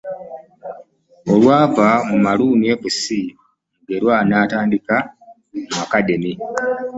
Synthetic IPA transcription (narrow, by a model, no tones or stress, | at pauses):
o̞lwaːvamumaluːnieβusi | ŋɡeɾwaːnaːtaːndika | makademi